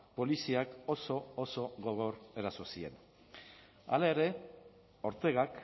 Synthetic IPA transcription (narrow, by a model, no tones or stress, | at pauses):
po̞lisiako̞so̞oso̞ɣo̞ɣ̞o̞ɾe̞ɾasosie̞̰n | a̰laeɾe̞ | o̞ɾt̪e̞ɣ̞ak